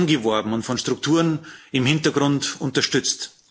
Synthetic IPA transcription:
nɡəvɔɐbm̩ʊntfɔnʃtʁ̥ʊktʰuːʁnɪmhɪntɐɡʁʊntʊntɐʃtʏt͡st

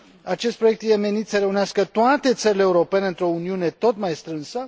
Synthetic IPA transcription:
at͡ʃe̞st̪pɾo̞jekt̪jeme̞nit̪səɾe̞uneaskət̪oat̪e̞t̪səɾileːuɾo̞pe̞neɨnt̪ɾo̞uniune̞t̪o̞t̪majst̪ɾɨnsə

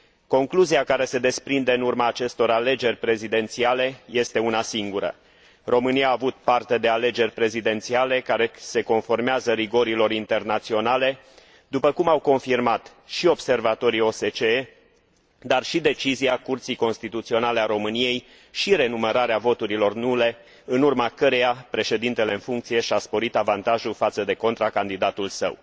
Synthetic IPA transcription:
ko̞ŋkluziakaɾe̞se̞d̪e̞spɾind̪e̞ɨnurmaːt͡ʃe̞st̪o̞ɾale̞d͡ʒe̞rʲpɾe̞zid̪e̞nt̪siale̞je̞st̪e̞unasiŋɡuɾə̰ | ro̞mɨnijaːvut̪̚part̪e̞d̪e̞ale̞d͡ʒe̞rʲpɾe̞zid̪e̞nt̪siale̞kaɾe̞se̞ko̞nfo̞rmeazəɾiɡo̞ɾilo̞ɾint̪e̞rnat̪sio̞nale̞ | d̪upəkumawko̞nfirmat̪ | ʃio̞bse̞rvat̪o̞ɾio̞se̞t͡ʃee | d̪arʃid̪e̞t͡ʃiziakurt̪sijko̞nst̪it̪ut̪sio̞nale̞aɾo̞mɨnije̞j | ʃiɾe̞numəɾaɾeavo̞t̪uɾilo̞rnule̞ | ɨnurmakəɾe̞japɾe̞ʃe̞d̪in̪t̪e̞le̞ɨnfuŋk̚t̪sije̞ʃiaspo̞ɾit̪avant̪aʒufat̪səd̪e̞ko̞nt̪ɾakand̪id̪at̪ulsə̰w

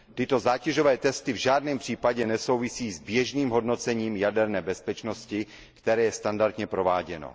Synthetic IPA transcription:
t̪ɪt̪o̞zaːcɛʒovɛːt̪ɛst̪ɪvʒaːdnɛːmpr̝̥iːpaɟɛnɛso̞wvɪsiːzbjɛʒniːmɦo̞dno̞t͡sɛɲiːmjadɛɾnɛːbɛspɛt͡ʃno̞scɪ | kt̪ɛɾɛːjɛst̪andaɾt̪ɲɛpɾo̞vaːɟɛno̰

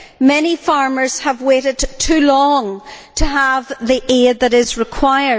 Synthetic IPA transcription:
mɛñifaɹmə˞z̥əvweɾɪdtʰʉlɔ̃ŋtʰəəvðiʔed̪̚ðəɾɪzɹɪkʰw̥aɪə˞

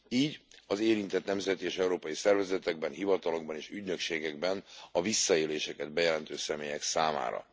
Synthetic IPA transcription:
iːɟɒzeːɾint̪ɛt̪nɛmzɛt̪ieːʃɛuɾoːpɒjisɛrvɛzɛt̪ɛɡ̚bɛnɦivɒt̪ɒlo̞ɡbɒneːʃyɟnø̞kʃeːɡɛɡ̚bɛnɒvisːɒeːleːʃɛkɛd̪̚bɛjɛlɛnt̪øːsɛmeːjɛksaːma̰ːɾɒ̰

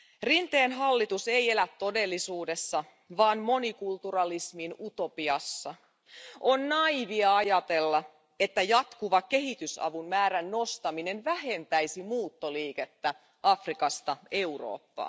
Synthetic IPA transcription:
rint̪eːnɦɑlːit̪use̞je̞læt̪tːo̞de̞lːisuːdesːɑ | ʋɑːnmo̞nikult̪urɑlisminut̪o̞piɑsːɑ | ʔo̞nnɑiʋiɑɑjɑt̪e̞lːɑ | e̞t̪ːæjɑt̪kuʋɑke̞ɦit̪ysɑ̰ʋunmæːɾænːo̞st̪ɑmine̞nʋæɦe̞nt̪æjsimuːt̪ːoliːket̪ːæ | ɑfrikɑst̪ɑe̞uro̰ːpːɑ̰ː

